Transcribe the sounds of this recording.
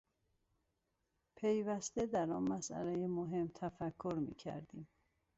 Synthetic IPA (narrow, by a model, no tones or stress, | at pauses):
pʰe̞jvæst̪e̞d̪æɾɒːnmæsʔæ̰lejemoɦe̞mt̪ʰæfækʰːoɾmḭːcʰæ̰ɾd̪iːm